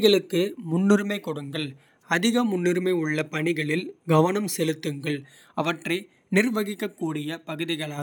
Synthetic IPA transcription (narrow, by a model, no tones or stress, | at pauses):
ɣɐɭɯkːɯmʊnːɪɾmɐɪkːɔɽɯŋɡɐɭ | ɐðɪɣɐmʊnːɪɾmɐɪʊɭːɐpɐɳɪɣɐɭɪlɡɐʋɐnɐmsɛlɯt̪ːɯŋɡɐɭ | ɐʋɐʈrɐɪ | nɪrʋɐɣɪkːɐkːuːɽɪjɐpɐɣɯðɪɣɐɭaː